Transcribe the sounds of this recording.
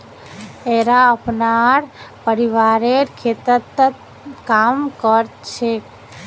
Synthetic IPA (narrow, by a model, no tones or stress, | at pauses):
eɾaəpnaɾpəɾiʋaɾeɾkʰet̪ət̪ːt̪ | kamkəɾt͡ʃʰe